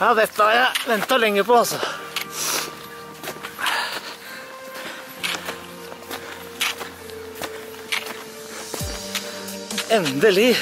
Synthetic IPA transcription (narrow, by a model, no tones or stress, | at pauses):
jɑːd̪ɛt̪ːəɑɾjæɪʋɛnt̪əlɛŋːəpɔɑlsɔ | ɛnd̪əlɪ